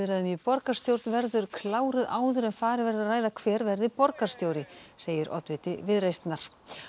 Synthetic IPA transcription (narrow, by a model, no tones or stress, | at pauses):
ɪɾaðʏmjɛpɔɾkast̪jowɾt̪nvɛɾðʏɾ̥kʰlaːwɾɪðaːwðʏɾɛmfaːɾɪvɛɾðaɾraːjðakʰvɛːɾvɛɾðɪpɔɾkḁst̪jowɾɪseːjɪɾʔɔ̰t̪vɪt̪ɪvɪðrejst̪naɾ̥